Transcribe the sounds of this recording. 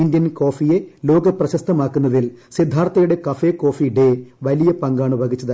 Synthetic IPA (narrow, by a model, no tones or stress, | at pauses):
ind̪jɐnko̞ːfije̞lo̞ːɡɐprɐɕɐst̪ʰɐmaːkːunːɐðilsid̪ʱːaːrt̪ɐjuɽe̞kɐfe̞ko̞ːfiɖe̞ʋɐlijɐpɐŋɡaːɳɨbʱɐɡit͡ɕːɐðɨ